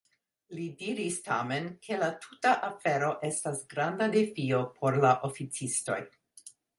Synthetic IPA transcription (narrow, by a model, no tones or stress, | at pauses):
lidiɾista̰me̞nkʰe̞latʰutaʔafeɾo̞ʔe̞stasɡɾandadefio̞pʰo̞ɾlaʔofit͡sisto̞̰j